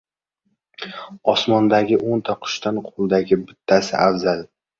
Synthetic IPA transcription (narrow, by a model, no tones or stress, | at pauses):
ɒsmɒnd̪aɡʲɪʔont̪ʰɒqʰʊ̥ʃt̪anqʰolˠd̪aɡʲɪbɪt̪ʰːasɪ̰ʔavzal